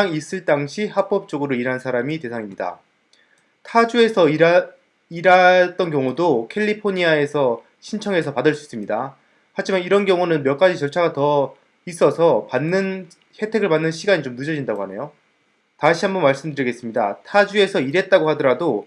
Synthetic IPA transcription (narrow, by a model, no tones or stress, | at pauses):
aŋis͈ɯɭt͈aŋɕʰihap͈ʌp̚t͡ɕ͈oɡɯɾoiɾansʰaɾamite̞sʰaŋimɲida̰ | tʰad͡ʑue̞sʰʌi | iɾat͈ʌnkjʌŋudokʰe̞ʎːipʰoɲiae̞sʰʌ | ɕʰint͡ɕʰʌŋe̞sʰʌpadɯɭs͈ui̥s͈ɯmɲida | had͡ʑimaniɾʌnɡjʌŋunɯnmjʌk͈ad͡ʑit͡ɕʌɭt͡ɕʰaɡatʌ | is͈ʌsʰʌpanːɯn | he̞tʰe̞ɡɯɭpanːɯnɕʰiɡaɲit͡ɕomnɯd͡ʑʌd͡ʑindaɡoɦane̞̰jo | taɕʰiɦambʌnmaɭs͈ɯmdɯɾiɡe̞s͈ɯmɲida̰tʰad͡ʑue̞sʰʌiɾe̞t̚t͈aɡohadʌɾado